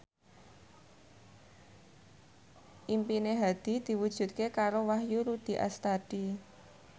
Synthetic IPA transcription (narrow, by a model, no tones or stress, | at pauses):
ʔimpineɦad̪̥i̤d̪̥i̤wud̥ʒ̥ṳt̪̚kekaɾowahjuɾud̪̥i̤ʔa̰st̪ad̥i